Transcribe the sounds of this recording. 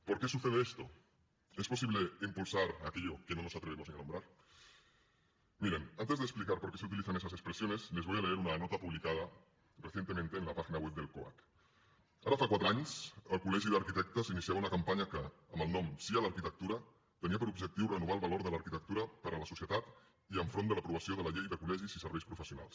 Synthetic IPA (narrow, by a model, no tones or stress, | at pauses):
poɾkesuθeð̞eest̪o | espo̞siβleimpulsaɾakeʎokenonosat̪ɾeemo̞snianõmbɾaɾ | miɾenant̪e̞zðesplikaɾpoɾkeseut̪iliθanes̬asespɾesjonezle̞zβojale̞eɾunanot̪apuβlikað̞a | reθje̞nt̪emẽnt̪e̞ːnlapaxinawep̚d̪e̞lkoa̰k | aɾafakwat̪ɾaɲsəlˠkulɛʒiðəɾkit̪ɛk̚t̪əsinisiaβunɐkampaɲakəːməlˠnɔmsialəɾkit̪ək̚t̪uɾa | t̪əniapəɾubʒək̚t̪iwrənuβ̞alˠβaloɾðəlaɾkit̪ək̚t̪uɾɐpəɾələsusjət̪at̪ | iəɱfɾond̪ələpɾuβ̞asioðəlɐʎejðəkulɛʒizisəɾβɛjspɾufəsijuna̰lˠs